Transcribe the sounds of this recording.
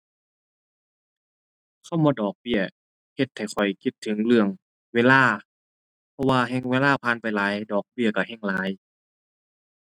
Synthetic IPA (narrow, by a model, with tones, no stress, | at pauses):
kʰa˧˩wmɔː˧dɔː˨˩k̚bi˧˩˨ə | he˧t̪̚ha˨˩jxʰɔ˨˩jki˧˩t̪ʰːɯ˨˦ŋlɯ˧˩əŋ | weː˧˥laː˧˥˩ | pʰɔ˧waː˧ɦɛ˧˨ŋweː˧laː˧˥˩pʰaː˧˨npa˨jlaː˨˦jdɔː˨˩k̚bi˧˩əka˧˩hɛ˧˥˩ŋlaː˨˦j